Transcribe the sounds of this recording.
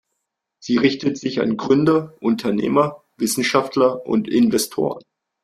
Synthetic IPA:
z̥iːʁɪçtətz̥ɪça̰nɡʁʏndɐʔʊntʰɐnḛːmɐ | vɪsn̩ʃaftlɐʔʊ̰ntɪnvɛstʰo̰ːʁən

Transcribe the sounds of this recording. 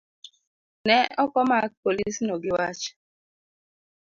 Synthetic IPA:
nɛʔɔkɔmak̚polisnoɡɪwat͡ʃ

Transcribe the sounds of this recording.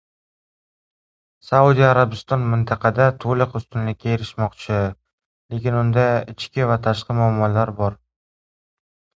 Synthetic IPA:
saud̪ijaɾabɪst̪ɒnmɪnt̪ʰɑqʰɑd̪at̪ʰolɪqʊst̪ɪnlɪkʲːʰaeɾɪʃmɒqt͡ʃʰɪ | le̞kʲɪnʊnd̪aɪt͡ʃkʲɪvat̪ʰaʃqɨmʊamːɒlaɾbɒɾ

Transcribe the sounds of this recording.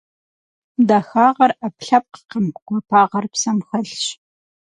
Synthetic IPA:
daxaːʁɐrɐpɬɐp̚qə̥qəmqʷɐpʰaːʁɐrpsɐmxɐɬɕ

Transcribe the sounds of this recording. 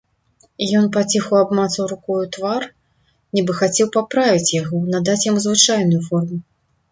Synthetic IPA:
ijɔnpat͡sʲixɐwabmat̪sɐwɾukɔjut̪var | nʲibɨxat͡sʲɛwpapɾavʲit͡sʲjaɣɔnad̪at͡sʲjamuzvɨt͡ʂajnujufɔrmu

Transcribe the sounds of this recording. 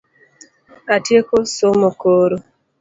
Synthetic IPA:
atjekosomokoɾo

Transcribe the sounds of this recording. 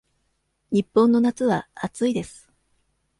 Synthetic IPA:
ɲ̟ipːõ̞nːo̞nat͡sɨβaat͡sɨid̪e̞sɨ̥

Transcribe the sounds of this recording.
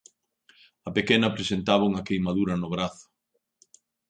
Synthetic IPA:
ɐpekɛnɐpɾesent̪aβɐuŋɐkejmaðuɾɐnʊβ̞ɾaθʊ̥

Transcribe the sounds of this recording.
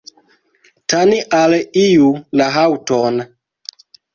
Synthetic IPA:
taniʔalijulaɦawton

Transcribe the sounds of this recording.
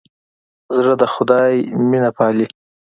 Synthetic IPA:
zɾad̪əxʊd̪ɑjminapʰɑːli

